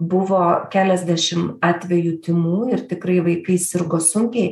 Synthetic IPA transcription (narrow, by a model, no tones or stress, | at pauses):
bʊʋoːkʲæːlʲɛzʲd̪ʲæʃʲɪmɑːt̪ʲʋʲɛjuːt̪ʲɪmuːɪrt̪ʲɪkɾɐɪʋɐɪkɐɪsʲɪɾɡoːsʊŋʲkʲɛɪ